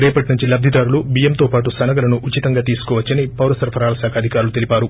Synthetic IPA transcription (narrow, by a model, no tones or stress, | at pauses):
ɾɛːpɐʈnuɲt͡ʃilɐb̚d̪ʱid̪aːɾulubijɐmt̪oːpaːʈusɐnɐɡɐlɐnuʔut͡ʃːit̪ɐŋɡaːt̪̬iːsu̥kɔːʋɐt͡ʃːɐnipɐwɾɐsɐɾpʰɐɾaːlɐsaːkʰɐɐd̪ʱikaːɾulut̪elipaːɾu